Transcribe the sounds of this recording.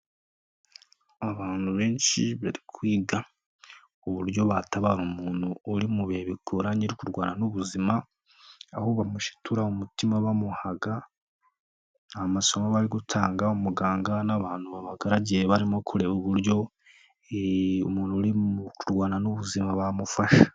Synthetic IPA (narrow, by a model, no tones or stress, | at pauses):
aβaːnuβe̞ːnʃiβaɾikwiːɡa | uβuɾjo̞βataβaɾumuːnuːɾimuβeβikʰoɾaɲiɾikuɾɡwaːnanuβuzimaː | hoβamuʃi̥tʰuɾaumutimaβamuhaɡa | amaso̞maβaɾiɡutʰaːŋɡaumuɡaːŋɡanaβaːnuβaβaɡaɾaɟiɾeβaɾimokʰuɾeβoβuɾjo̞ | omuːnuɾikuɾɡwaːnanuβuzimaβamufaʃḁ